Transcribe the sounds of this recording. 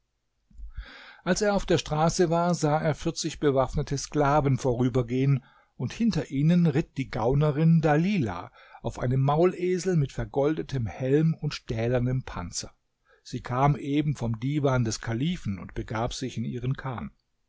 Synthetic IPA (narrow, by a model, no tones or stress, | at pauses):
ʔalseːɐaʊfd̥eːɐʃtʁ̥aːsəvaːɐzaːeːɐfɪɐt͡sɪçb̥əvafnətʰəsklaːvən̩foːʁyːbɐɡeːən | ʊnthɪntɐʔiːnənʁɪt̚d̥iːɡaʊnəʁɪndaliːla̰ | ʔaʊfʔa̰ɪnəmːaʊlʔeːzl̩mɪtfɛɐɡɔldətʰəmhɛlmʊntʃtɛːlɐnəmpʰa̰nt͡sɐ | z̥iːkʰaːmʔeːbm̩fɔmdiːvaːndɛskʰaliːfn̩ʊ̰ntb̥əɡaːpz̥ɪçɪnʔiːʁənkʰaːn